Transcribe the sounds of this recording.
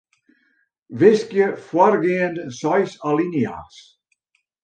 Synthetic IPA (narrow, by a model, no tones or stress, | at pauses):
vɪskjəfwarɡiəndsɔjsalinja̰s